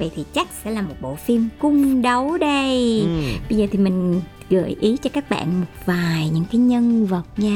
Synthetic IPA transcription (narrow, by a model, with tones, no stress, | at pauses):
və̰˧˨jt̪ʰi˨˩t͡ɕa˦˥k̟̚sɛ̰˧˥laː˨˩mo˨˩t̚ɓo̰˧˨fi˧mkʊ˧ŋ͡mɗə˨˦wɗə˧j | ɓə˧jzəː˨˩t̪ʰi˨˩mï˨˩ŋ̟ | ɣə̰˧˩˨jʔi˨˦t͡ɕɔ˧kaː˦˥k̚ɓa̰ː˧˨nmo˨˩t̚vaː˨˩jɲɨ̰˧˥ŋkaː˨˦jɲə˧nvə˨˩t̚ɲaː˧